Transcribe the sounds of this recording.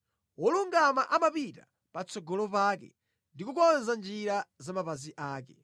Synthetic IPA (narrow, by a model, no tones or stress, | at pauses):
wɔluŋɡamaʔamapita̰ | pat͡sɔɡɔlɔpaːkɛ̰ | ndikukɔnzand͡ʒiɾazamapaziʔaːkɛ